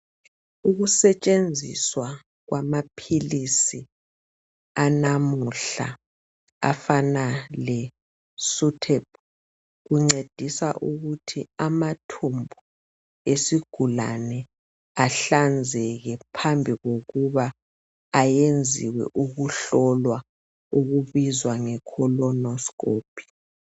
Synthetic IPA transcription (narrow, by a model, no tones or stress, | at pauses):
uɣusɛt͡ʃʼend͡zʱḭswa | ɣwʔamapʰilisi | anamuɬa̰ | a̰fanalɛ | sutʰɛp̚ʰ | ɣuŋ͡ǀed̥ʱisa̰ʔuɣutʰiamatʰumbʱu | esiɡ̥ʱula̰nɛ | aɬand͡zʱɛɣɛpʰambʱiɣoɣuβa | ajend͡zʱiwɛ̰ʔuɣuɬɔlwa | uɣuβizwaŋɛkʰɔlɔnɔskoːpʰi̥